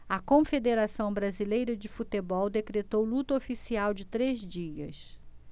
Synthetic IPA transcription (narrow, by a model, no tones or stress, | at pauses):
ɐkõfed̪eɾasɐ̃w̃bɾazilejɾɐd͡ʒɪfut̪ebɔwd̪ekɾet̪owlut̪ɐofisiawd͡ʒɪt̪ɾezd͡ʒiɐ̰s